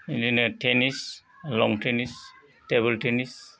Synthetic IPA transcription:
ininetʰenis | lɔŋʈʰenis | teβɛltʰenis

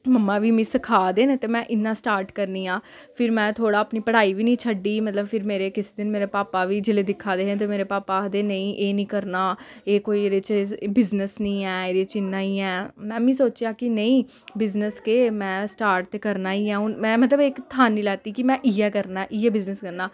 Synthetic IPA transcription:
məmːãːʋiːmĩːsəkʰaːd̪eːneːt̪eːmɛ̃ːʔɪnːãːsʈaːɾʈkəɾniːãː | pʰɪɾmɛ̃ːt̪ʰoːɽaːəpniːpəɽ̤aːiːʋiːnĩːt͡ʃʰəɖiːmət̪ləbpʰɪɾmeːɾeːkɪsed̪ɪnmeːɾeːpaːpaːʋiːd͡ʒɪleːd̪ɪkʰːaːd̪eːɦet̪eːmeːɾeːpaːpaːd̪eːnəĩːʔeːnĩːkəɾnaːeːkoːiːɾɪt͡ʃbɪznəsnĩːɛːeːɾɪt͡ʃɪnːaːiːɛːmɛ̃ːmĩːsoːt͡ʃjaːkɪnəĩː | bɪznəskeːmɛ̃ːsʈaːɾʈ̚t̪eːkəɾnaːiːãːʊnmɛ̃ːmət̪ləbekt̪ʰaːnːĩːlɛːt̪iːkɪmɛ̃ːʔiːɛːkəɾnaːɛːʔɪːɛːbɪznəskəɾnaː

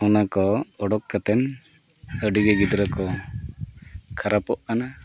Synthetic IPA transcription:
ɔnakɔɔɖɔkːat̪ɛn | əɖiɡɛɡid̪ɾakɔ | kʰaɾapɔʔkana

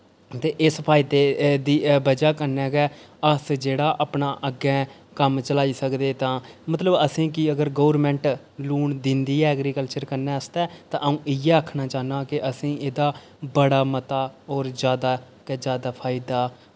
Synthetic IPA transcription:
t̪eːʔɪspʰaːɪd̪eːd̪iːbəd͡ʒaːkəɾnɛːɡɛːəsd͡ʒeːɽaːʔəːpɳaːʔəɡɛ̃ː | kəmt͡ʃəlaːiːsəkd̪eːt̪ãːmət̪ləbəsĩːkɪəɡəɾɡoːɾmɛ̃ːɳʈ | luːɳd̪ɪnd̪iːɛːəɡɾiːkəlt͡ʃəɾkəɾnɛːəst̪ɛːt̪ãːʔũːʔɪjɛːəːkʰnaːt͡ʃaːnãːkɪʔəsĩːʔeːd̪aː | bəɽaːmət̪aːɔːɾd͡ʒjaːd̪aː | kːd͡ʒjaːd̪aːpʰaːɪd̪aː

